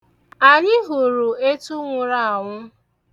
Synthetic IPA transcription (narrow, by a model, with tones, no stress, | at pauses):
a˨ɲɪ˦ɦu˨ɾu˨e˦tu˦ŋʷʊ˨ɾa˦a˨ŋʷʊ˦